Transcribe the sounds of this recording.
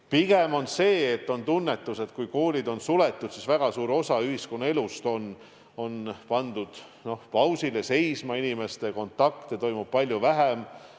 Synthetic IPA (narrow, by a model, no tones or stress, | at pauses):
piɡ̥e̞mo̞nse̞ːt̪ːo̞nt̪unːe̞t̪ːˑuse̞t̪̚kujko̞ːlʲid̪o̞nsule̞t̪ːˑud̪̥sisvæɡ̥ɑsuːɾo̞sɑyhisko̞nːue̞lust̪o̞n | o̞npɑnd̪̥ud̪̥ | no̞hpɑwsilese̞jsmɑinime̞st̪e̞ko̞nt̪ːˑɑkt̪et̪o̞jmub̥̚pɑlʲjuvæɦem